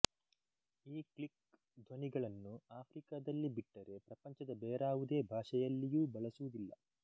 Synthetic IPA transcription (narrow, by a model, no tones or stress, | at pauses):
iːklik̚ | d̪ʱʋɐniɡɐɭɐnːuaːpʰɾikad̪ɐlːibiʈːɐɾe̞pɾɐpɐɲt͡ʃɐd̪ɐbɛːɾaːʋud̪e̞ːbʱaːʂɛjɐlːijuːbɐɭɐsuʋud̪ilːɐ̰